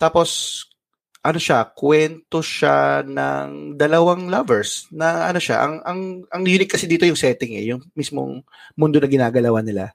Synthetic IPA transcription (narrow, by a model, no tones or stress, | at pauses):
t̪aːpo̞s | ʔɐno̞ʃakwɛnt̪o̞ʃa̰nɐ̰ŋd̪ɐlɐwaŋlɐvɛɹsnɐʔɐ̰no̞ʃa̰ʔɐ̰ŋʔɐŋʔɐŋjuːnɪt̪̚kɐsid̪iːt̪ojʊŋsɛːt̪ɪŋɛ̰jʊŋmismo̰ŋ | mʊnd̪onɐɡɪnaːɡɐlɐwanɪla̰